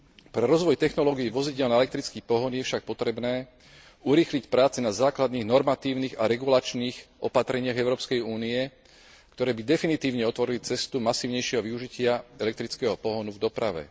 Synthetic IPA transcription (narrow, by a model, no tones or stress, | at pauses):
pɾɛɾɔzʋɔjt̪ɛxnɔlɔːɡijiʋɔziɟɪɛlnaɛlɛk̚t̪ɾit͡skiːpɔɦɔnjɛfʃak̚pɔt̪ɾɛbnɛː | uɾiːxlicpɾaːt͡sɛnazaːklad̪niːɣnɔɾmat̪iːʊniːɣaɾɛɡulat͡ʃniːxʔɔpat̪ɾɛɲɪaɣɛʊɾɔːpskɛjuːniɛ | kt̪ɔɾɛːbid̪ɛfinit̪iːʊɲɛɔt̪ʋɔɾilit͡sɛst̪umasiːʊɲɛjʃɪɛɦɔʋiuʒicɪaɛlɛk̚t̪ɾit͡skɛɦɔpɔɦɔnuvd̪ɔpɾaʋɛ̰